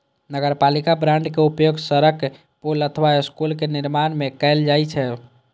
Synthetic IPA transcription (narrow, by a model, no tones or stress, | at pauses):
nəɡəɾpalikabɾãɳɖkeupjoɡsəɾək | polət̪ʰəβaiskulkeniɾmanmekɛɪld͡ʒajt͡ʃʰɛ